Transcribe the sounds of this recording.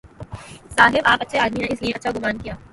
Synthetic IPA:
saːɦɪbaːpɐtːʃʰeaːd̪mineɪsliẽɐtːʃʰaɡʊmaːnkijaː

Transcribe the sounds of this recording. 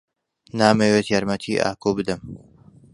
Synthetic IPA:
naːmewet̪jaːɾmɐt̪ʰiːʔa̰ːkoːbɨd̪ɨm

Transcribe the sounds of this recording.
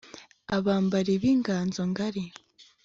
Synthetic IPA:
aβaːmbaɾeβiːŋɡaːnzoŋɡaɾe

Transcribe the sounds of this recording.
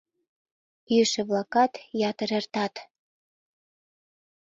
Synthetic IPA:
yʃĕβlɑkɑt̪jɑt̪ə̆ɾert̪ɑt̪

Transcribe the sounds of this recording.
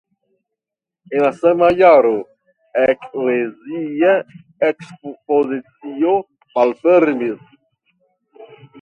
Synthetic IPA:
enlasamajaɾo | eklezia | ekspozit͡sio | malfeɾmis

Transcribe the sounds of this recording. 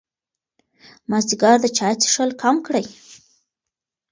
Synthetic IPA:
mazd̪iɡɑɾd̪ət͡ʃɑjt͡se̥ʃəlkʰamkɽəj

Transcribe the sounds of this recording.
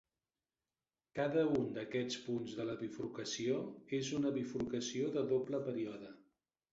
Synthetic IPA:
kaðəund̪əkɛt͡spunzðələβifɾukəsioezunəβifɾukəsioðəðopləpəɾiɔðə

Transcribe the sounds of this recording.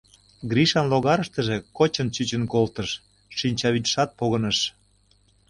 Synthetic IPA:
ɡɾiʃɑnloɣɑɾəʃt̪ə̆ʒĕkot͡ɕə̆nt͡ɕyt͡ɕə̆nkolt̪əʃ | ʃinʲt͡ɕɑβit̪ʃɑt̪̚poɣənəʃ

